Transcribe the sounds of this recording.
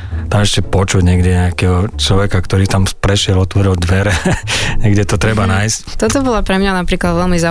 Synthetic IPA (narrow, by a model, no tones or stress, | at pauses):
t̪amɛʃcɛpɔt͡ʃuɟɲɛɡdɛɲɛakɛɦɔt͡ʃlɔʋɛkakt̪ɔɾiːt̪ampɾɛʃɪɛlɔt̪ʋɔɾɛld̪ʋɛɾɛɲɛɡɟɛt̪ɔt̪ɾɛbanaːjsct̪ɔt̪ɔbɔlɔpɾɛmɲanapɾiːklad̪ʋɛlmiza